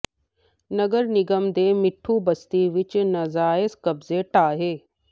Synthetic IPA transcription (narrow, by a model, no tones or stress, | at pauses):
nɐɡəɾnɪɡəmd̪eːmɪʈʰːubɐst̪iʋɪt͡ʃnɐzaːɪskɐbzeʈaːɦeː